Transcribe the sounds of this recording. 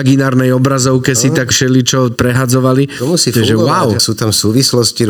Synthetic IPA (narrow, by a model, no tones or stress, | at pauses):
aɡinaːɾnɛjɔbɾazɔʊkɛsit̪akfʃɛlit͡ʃɔpɾɛɦad͡zɔʋaliɔmusiɛʒɛwawsuːt̪amsuːʋislɔsci